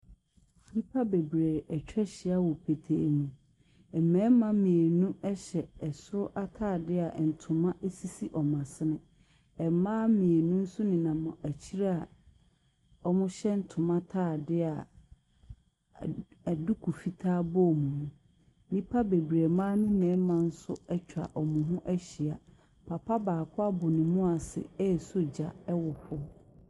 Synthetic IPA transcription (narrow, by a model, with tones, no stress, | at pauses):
nĩ˦pʰa˦be˨bɾe˨æ˨t͡ɕᶣɛ˦ɕɪ˦a˦wɔ˨pʰe˨tʰḛ˨nũ˨ | ɛ˨mɛ̃ː˨˦mã˦mĩ˨e˨nũ˦ɛ˦ɕɛ˨ɛ˨sʊ˦ɾʊ˦ʔa˦tʰaː˦˨dɪ˦a˨n̩˨tʰʊ̃˨mã˦ʔe˦si˦si˦ʔɔ˨mã˨sɪ˦nɪ̃˦ | ɛ˨mãː˦mĩ˨e˨nũ˦n̩˦sʊ˦nɪ̃˨nã˨mʊ̃˨ʔæ˨t͡ɕʰi˦ɾa˦a˨ | ɔ˦mʊ̃˦ɕɛ˦n̩˦tʰʊ˨mã˦tʰaː˦˨dɪ˦a˨ | dʊ˦kʰu˨fi˦tʰaː˦bɔ˦˨mũ˨mũ˦ | nĩ˦pʰa˦be˨bi˨ɾe˨mãː˦nũ˦nɛ̃˨˦mã˨n̩˦sʊ˦ɛ˦t͡ɕᶣʰa̰˨ʔɔ˨mʊ̃˨ɦʊ̃˦ʔæ˦ɕi˨a˨ | pʰa˨pʰa˦baː˨kʰʊ˦a˦bʊ˨nɪ̃˨mʊ̃˦a˨sɪ̰˨ɛ˦˨so˦d͡ʑa˨ɛ˦wɔ˨hʰʊ˦